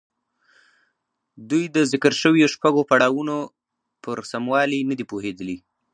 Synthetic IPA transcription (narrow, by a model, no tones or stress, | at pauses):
d̪ujd̪əzɪkəɾʃəwjoʃpaɡopaɽɑwuno | pəɾsamwɑlinəd̪ipoɦed̪əli